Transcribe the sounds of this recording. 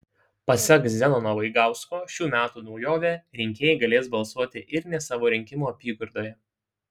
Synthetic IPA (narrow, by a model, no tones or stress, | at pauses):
pɐsʲɛkzzʲɛnoːnoɔʋɐɪɡɑˑʊskoːʃʲuːmʲæːt̪uːnɒʊjoːʋʲeːɾʲɪŋʲkʲeːjɛɪɡɐlʲeːs̬bɐlˠsuɔt̪ʲɪʔɪɾnʲɛsɑːʋoːɾʲɪŋʲkʲɪmuːɐpʲiːɡʊɾd̪oːjɛ